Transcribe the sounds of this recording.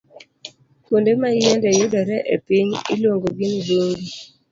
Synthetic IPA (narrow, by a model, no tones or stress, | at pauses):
kondemajɛndɛjʊdɔɾɛʔepiɲilwoŋɡoɡinɡoɾi